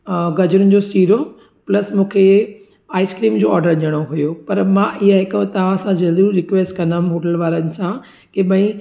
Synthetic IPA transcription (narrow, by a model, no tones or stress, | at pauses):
ɡɐd͡ʑʊɾʊnɪ̆d͡ʑosiːɾo | plɐsmũːkʰe | aːɪskɾiːmd͡ʑoːɔːɾɖəɾʄəɽ̃oɦujopɐɾmãʔɪɦaɦɪkt̪ɐʋ̤ãsãd͡ʑɐld̪uɾɪkʋeːsʈkɐ̃namɦoːʈəlʋaːɾənɪ̆sã | keɓɐ̃ĩ